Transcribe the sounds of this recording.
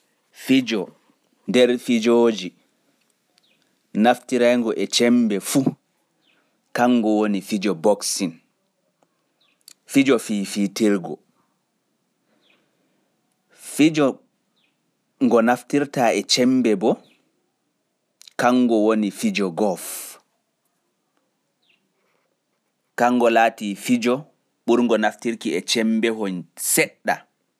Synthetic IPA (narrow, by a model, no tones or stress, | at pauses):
fid͡ʒɔ | ndɛɾfid͡ʒoːd͡ʒi | naftiɾajŋɡɔʔɛt͡ʃɛmbɛfu | kaŋːɡɔwonifid͡ʒɔbɔksin | fid͡ʒɔfiːfitiɾɡɔ̰ | fid͡ʒɔ | ŋɡɔnaftiɾtaɛt͡ʃɛmbɛbɔ | kaŋɡɔwonifid͡ʒɔɡɔf | kaŋːɡɔlaːtifid͡ʒɔ | ɓuɾŋɡɔnaftiɾkiɛt͡ʃɛmbɛhɔnsɛɗːa